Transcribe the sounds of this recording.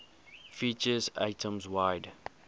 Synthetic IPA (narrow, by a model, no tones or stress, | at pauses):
fiːt͡ʃəza̰ɪtʰə̃mzwaɪd